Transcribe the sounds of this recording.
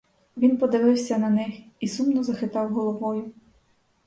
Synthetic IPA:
ʋʲinpɔd̪ɪʋɪwsʲɐnɐnɪx | isumnɔzɐxɪt̪ɑwɦɔlˠɔʋɔjʊ

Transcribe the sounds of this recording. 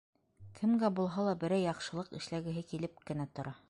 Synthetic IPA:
kʰɘ̆mɡæbulˠɦɑlˠɑbɘ̆ɾæjɑqʃɤ̆lˠɤqɘ̰̆ʃlæɡɘ̆ɦɘkilɘpkɘ̆næt̪ŏɾʔɑ

